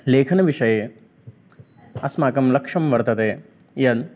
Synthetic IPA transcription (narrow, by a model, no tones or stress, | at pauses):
leːkʰɐnɐʋiʃɐje | ɐsmaːkɐmlɐkʂɐmʋɐɾt̪ɐt̪eː | jɐd̪